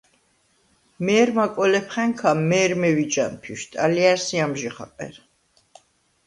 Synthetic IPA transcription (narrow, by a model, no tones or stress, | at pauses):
mɛːɾmakʼɔlɛpʰχɛŋkʰamːɛːɾmɛvid͡ʒanpʰiʃt̪ʼaliaɾsiamʒiχa̰qʼɛ̰ɾ